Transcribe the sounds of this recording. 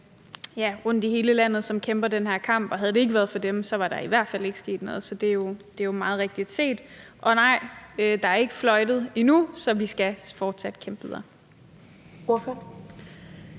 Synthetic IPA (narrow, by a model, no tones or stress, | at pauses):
jæʁɔ̽n̰d̥iɦe̝ːləlæn̰ð̩ˠsɒ̽mkʰemb̥ɐdenhæɐ̰kʰɑ̈m̰b̥ɒ̽ɦæð̞̩ˠde̝e̝ɡ̥əʋæːɐð̞̩ˠfɒ̽d̥emsɒ̽ʋɑ̈ɾ̥ɑ̈iʋæɐ̰d̥fæle̝ɡ̥əsɡ̥e̝̰ːd̥nɔ̽ːð̞̩ˠsɒ̽d̥e̝jo̝d̥e̝jomɑ̈ːð̩ˠʁeɡ̥̚d̥id̥se̝̰ːd̥ | ʔɒ̽nɑ̈ɪ̰ød̥ɑ̈æɐe̝ɡ̥əflɒ̽ɪd̥ð̞̩ˠinusɒ̽ʋisɡ̥æfɒːd̥sæd̥kʰemb̥ðˠɐ | oføn